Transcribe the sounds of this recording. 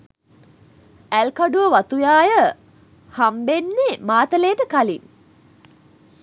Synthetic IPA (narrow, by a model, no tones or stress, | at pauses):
ælkaɖuʋəʋat̪ujaːjə | hambenːemaːt̪əleːʈəkaliŋ